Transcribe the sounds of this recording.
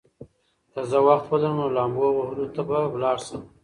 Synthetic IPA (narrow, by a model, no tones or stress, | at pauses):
t̪azawaxt̪walanolɑmboɣohəlot̪abawlɑɽsəm